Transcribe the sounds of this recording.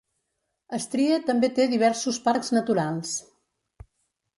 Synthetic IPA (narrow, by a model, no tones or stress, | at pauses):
əst̪ɾiət̪əmbet̪eðiβ̞ɛɾsuspaɾkznət̪uɾalˠs